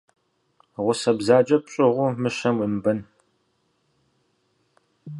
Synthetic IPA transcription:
ʁʷʊsɐbzaːd͡ʒʼɐp̚ɕʼɪʁʷʊmɨʃɐmimbɨn

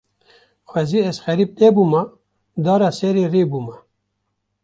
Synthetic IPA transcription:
xʷwɛziːɛzxɛɾiːp̚t̪ebuːma | d̪ɑːɾɑːsɛɾeːrebuːma

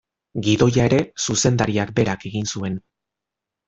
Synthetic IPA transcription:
ɡiðo̞jae̞ɾe̞suse̞nd̪aɾiak̚be̞ɾake̞ɣinsue̞n

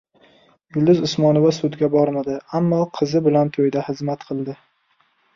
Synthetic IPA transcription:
jʊlˠd̪ɪzʊsmɒnovasʊd̪ɡʲabɒɾmad̪ɪamːɒqʰɨzɪbɪlant̪ʰojd̪ahɪzmat̪qʰɨlˠd̪ɪ

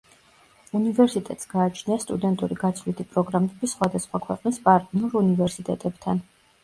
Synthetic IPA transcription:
univɛɾsit̪ʼɛ̰t̪ʼsɡ̥aːt͡ʃʰniast̪ʼud̪ɛnt̪ʼuɾiɡat̪sʰlit̪ʰipʼɾɔɡɾamɛbisχwad̪asχwakʰwɛqʼnispʼaɾt̪ʼinuɾunivɛɾsit̪ʼɛ̰t̪ʼɛbt̪ʰan

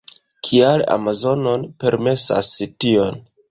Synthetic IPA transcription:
kʰiala̰mazo̞no̞npe̞ɾme̞sa̰sitio̞n

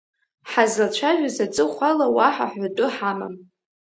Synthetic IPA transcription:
ħazlat͡ʃʷʰaʒᶣazat͡sʼɨχʷalawaħa̰ħʷatʼʊħama̰m

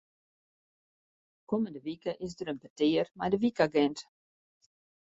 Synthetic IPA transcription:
koməndəvikəʔɪsdəɾənbəteːərmajdəvikaɡɛnt

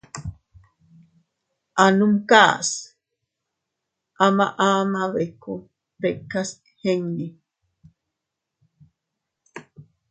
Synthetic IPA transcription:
ʔanumka̰ːs | ʔamaʔamaβeku | pekːaskheŋni

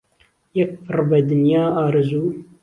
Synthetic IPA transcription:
jɛk̚pʰɨɾbɐd̪ɨnjaːaːɾɨzuː

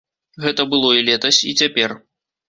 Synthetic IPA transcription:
ɣɛt̪ɐbɨlˠɔilʲɛt̪ɐsʲit͡sʲapʲɛr

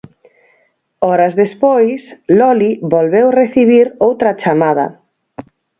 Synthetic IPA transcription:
ɔɾɐzðespojslɔliβolβewreθiβiɾowt̪ɾɐt͡ʃamaðɐ̰

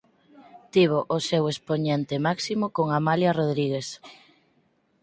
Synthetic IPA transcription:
t̪iβ̞oʔosewespoɲent̪emaksimokoŋamaljaroðɾiɣes

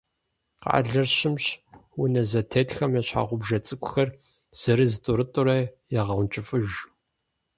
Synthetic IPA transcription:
qɑ̰ʔa̰ɮɐrɕɪmɕwʊnɐzɐtʰeːtxɐmjɛɕħa̰ːʁʷʊbʒɐt͡sʼɨkʷʼʊxɐr | z̥ɨɾɨzɨtʼʊɾɨtʼʊɾɐjaʁɐwnt͡ʃʼɪfɨʒ

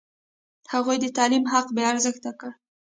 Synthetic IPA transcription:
haɣujd̪ət̪ɑlimɦaqbeaɾzəxt̪akəɽ

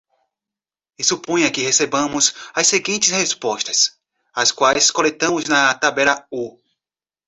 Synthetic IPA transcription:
isupõj̃ɐkɪhesebɐ̃mʊzɐseɡĩnt͡ʃ̪ɪshespɔst̪ɐs | ɐskwajskolet̪ɐ̃mʊznɐt̪abɛlɐu

